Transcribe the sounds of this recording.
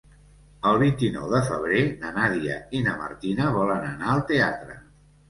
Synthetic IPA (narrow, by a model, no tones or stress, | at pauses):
əlˠβint̪inɔ̰wðəfəβ̞ɾenənaðiə̰inəmə̰rt̪inəβ̞ɔlənənaəlˠt̪eat̪ɾə̰